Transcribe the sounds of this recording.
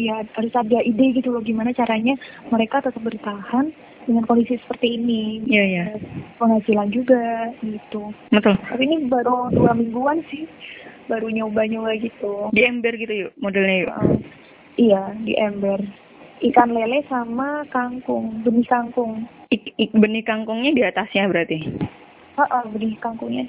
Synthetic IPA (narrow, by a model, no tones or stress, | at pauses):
jahaɾʊsadaideɡit̪uloɡimanat͡ʃaɾaɲaməɾekat̪ət̪əp̚bəɾit̪ahan | dəŋankondisisə̥pərt̪iːnijajapəŋat͡ʃiland͡ʒuɡaɡit̪ubət̪ʊlt̪apiːnibaɾud̪uamiŋɡuansɪhbaɾuɲaubaɲaubaɡit̪udiɛmbɛrɡit̪ujumodɛlɲajuə̰ʔə̰ | ijadḭʔɛmbɛr | ʔikanlelɛsamakaŋkʊŋbənihkaŋkʊŋ | bənihkaŋkʊŋɲadiat̪asɲabəɾart̪i | əʔəhbənihkaŋkʊŋɲa